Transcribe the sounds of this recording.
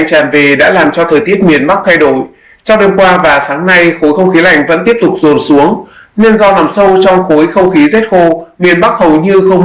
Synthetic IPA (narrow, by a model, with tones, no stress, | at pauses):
jŋt͡ɕaː˨˩nve˨˩ɗa̰ː˧˥laː˨˩mt͡ɕɔ˧t̪ʰəː˨˩jt̪i˦˥ət̚mi˨˩ənɓa˦˥k̚t̪ʰa˧jɗo˧˩j | t͡ɕɔ˧wŋ͡mɗe˧mkwaː˧vaː˨˩saː˨˦ŋna˧jxo˨˦jxə˧wŋ͡mxi˨˦la˨˩jŋ̟və̰˧˥nt̪i˦˥əp̚t̪ʊ˨˩k͡p̚zo˨˩nsu˨˦əŋne˧nzɔ˧na˨˩msə˧wt͡ɕɔ˧wŋ͡mxo˨˦jxə˧wŋ͡mxi˨˦ze˦˥t̚xo˧mi˨˩ənɓa˦˥k̚hə˨˩wɲɨ˧xə˧wŋ͡m